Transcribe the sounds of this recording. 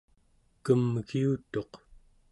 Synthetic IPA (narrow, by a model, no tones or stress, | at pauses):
kəmɣiut̪o̞q